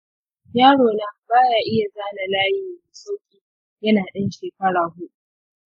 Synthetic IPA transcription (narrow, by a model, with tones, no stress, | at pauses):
jaː˦ɽoː˨na˦baː˦jaː˨ʔɪ˦ja˨zaː˦na˨laː˦jɪ˦jiː˨m˨soː˦kʲiː˦ | jɐ˦naː˨ɗɪ˦nʃeː˨kɐ˦ɽaː˨ɦʊ˦ɗu˦ʔ